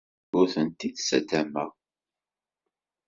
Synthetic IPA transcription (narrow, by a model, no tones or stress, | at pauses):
ʊɾθənt̪id̪sæ̰d̪æmæ